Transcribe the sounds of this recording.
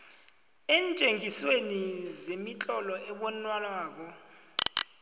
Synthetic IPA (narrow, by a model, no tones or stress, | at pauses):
ɛːnt͡ʃʼeŋiswenizemit͡ɬʼɔlɔʔɛɓɔnwalaːk̬ɔ